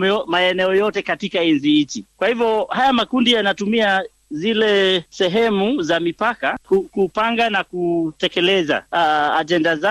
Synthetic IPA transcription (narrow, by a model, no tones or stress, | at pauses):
maɛnɛɔjɔtɛkatikainziit͡ʃikwahivjɔhajamakundijanatumia | zilɛsɛɦɛmuzamipakakukupaŋɡanakutɛkɛlɛza̰aʄɛndaza